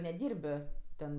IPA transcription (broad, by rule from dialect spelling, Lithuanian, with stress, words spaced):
nʲɛˈdʲiːrbɜ ˈtʲɛn